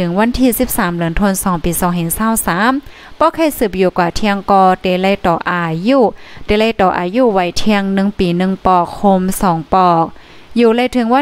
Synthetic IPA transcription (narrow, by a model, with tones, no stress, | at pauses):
ɯ˨˦ŋwa˧˥˨nt̪ʰiː˧˩si˧˥p̚saː˨˦mlɯ˨˦nt̪ʰo˧˨nsɔː˨˦ŋpiː˨˩sɔː˨˦ŋɦe˨˩ŋsaː˧˩˨wsaː˨˦m | pɔː˧˦kʰa˧˥˨jsɯː˧˩p̚juː˧˩kwaː˨˩t̪ʰi˧əŋkɔː˧˩t̪e˧˩la˧˨t̪ɔː˨˩ʔaː˨˩juː˧˩t̪eː˧˦la˧˨jt̪ɔː˨˩ʔa̰ː˨˩juː˧˨wa˧˩jt̪ʰi˧əŋnɯ˧˨ŋpiː˨˩˦nɯ˧ŋpɔː˧˩kʰːo˧msɔː˨˦ŋpɔː˧˩k̚ | juː˧˩la˧˨jt̪ʰɯ˨˧˦ŋwa˧˥